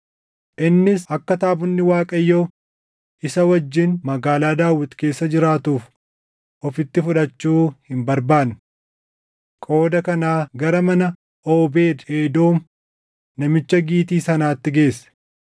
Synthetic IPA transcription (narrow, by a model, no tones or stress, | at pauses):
ʔɪnːɪsɐkːɐt̪aːbʊnːɪwaːkʼɐjːo̞ː | ʔɪsɐwɐd͡ʒːɪnmɐɡaːlaːd̪aːwɪt̪ke̞ːsːɐd͡ʒɪɾaːt̪uːf | ʔɔfɪt̪ːɪfʊᶑɐt͡ʃːuːhɪmbɐɾbaːn | kʼo̞ːd̪ɐkɐnaːɡɐɾɐmɐnɐ | ʔoːbe̞ːd̪eːd̪oːm | nɐmɪt͡ʃːɐɡiːt̪iːsɐnaːt̪ːɪɡe̞ːs